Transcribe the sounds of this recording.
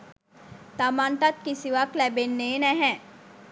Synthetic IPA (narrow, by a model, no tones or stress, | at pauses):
t̪amãːnʈ̪at̪̚kisiʋaklɛbenːeːnɛ̃ɦɛ̃